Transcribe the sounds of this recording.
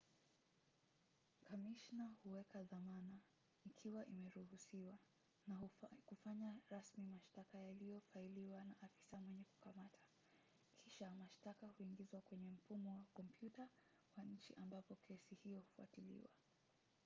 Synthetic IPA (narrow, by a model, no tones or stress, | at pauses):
kamiʃnahuwɛkaðamana | ikʰiwaʔimɛɾuhusiwa | nakufaɲaɾasmimaʃtakajalijɔfailiwanaʔafi̥samwɛɲɛku̥kamatʰḁ | kʰiʃamaʃtakahuiŋɡizwakwɛɲɛm̩fumɔwakɔmpʰjuta | waɲ̩t͡ʃḭʔambapɔkʰɛsihijɔhu̥fua̰tilḭwa̰